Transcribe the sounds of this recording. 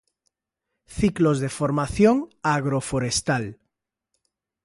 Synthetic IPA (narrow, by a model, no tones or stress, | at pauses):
θiklozðefoɾmaθjoŋaɣɾofoɾest̪al